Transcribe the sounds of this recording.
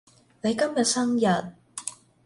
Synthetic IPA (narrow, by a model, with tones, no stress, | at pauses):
ne˨˧jkɐ˥mjɐ˨t̚sɐ˥ŋjɐ˨t̚